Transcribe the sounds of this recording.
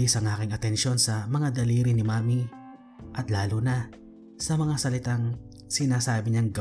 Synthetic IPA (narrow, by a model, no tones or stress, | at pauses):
isɐŋʔaːkɪŋɐt̪ɛnʃo̞nsɐmɐŋad̪ɐliːɾɪnɪmaːmi | ʔɐt̪laːlʊna | sɐmɐŋasɐlɪt̪aŋ | sɪnaːsaːbɪɲaŋɡɐ